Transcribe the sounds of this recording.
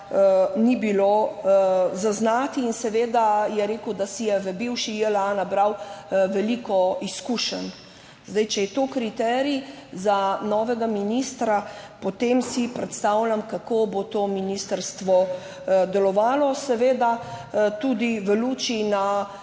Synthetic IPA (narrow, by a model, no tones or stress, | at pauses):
nibilo | zaznaːt̪iːnsɛʋeːd̪ajɛɾeːkəwd̪asijɛʋəbiwʃiɛlanabɾawʋɛlikɔiskuʃən | zd̪ajt͡ʃɛjɛt̪okɾit̪ɛːɾizanɔːʋɛɡaminist̪ɾapot̪emsipɾɛt̪st̪awlʲjamkakobot̪oːminist̪əɾst̪ʋɔ | d̪ɛlɔʋaːlɔsɛʋeːd̪at̪ud̪iʋəluːt͡ʃina